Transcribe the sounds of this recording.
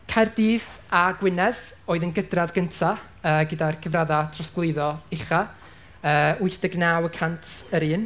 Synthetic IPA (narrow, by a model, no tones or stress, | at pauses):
kʰardiːðaɡ̥wɪnɛð | oːɨðənɡədraðɡəntʰa | əːɡədarkʰəvraðatʰrɔsɡ̥lˠɨðɔɪχa | əːʊjθd̥ɛɡnawəkʰantʰəɾɨːn